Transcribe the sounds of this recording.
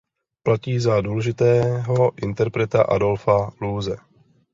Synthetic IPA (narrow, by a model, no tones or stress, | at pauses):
placiːzaduːlɛʒɪt̪ɛːɦo̞ʔɪnt̪ɛɾpɾɛt̪aʔa̰do̞lfaluːzɛ